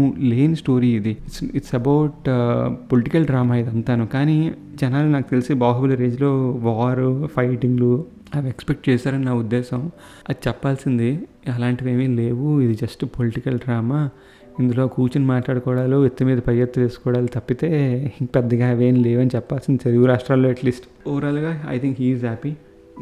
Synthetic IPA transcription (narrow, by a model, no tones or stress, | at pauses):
le̞ːnsʈo̞ːɾiːd̪iiʈsiʈsɐbɐwʈpoliʈikɐlɖɾaːmaːid̪ɐnt̪aːnukaːni | d͡ʒɛnaːlunaːkut̪elisibaːɦɐbulɐɾeːd͡ʒlo̞ːʋaːɾupʰɐjʈiŋɡlu | ɐʋiekspek̚ʈ̚t͡ʃɛːsaːɾɐnnaːud̪ːɛːsɐm | ɐd̪it͡ʃɛpːaːlsind̪i | ɐlaːɳʈiʋe̞ːmileːʋuid̪id͡ʒɐsʈpoliʈikɐlɖɾaːmaː | ind̪ulo̞ːkuːt͡ʃinimaːʈlaːɽɐkɔːɽaːloːet̪ːimiːd̪ɐpɐjɐt̪ːule̞ːsu̥kɔːɽaːlit̪ɐpːit̪e̞ːpɛd̪ːɐɡaːʋeːnle̞ːʋɐnit͡ʃɛpːaːlsind̪it̪ɐɾɡuɾaːʂʈɾaːlːo̞ːɐʈliːsʈ | uːɾaluɡaːɐ̰jt̪ʰiŋkɦiːzɦɛːpi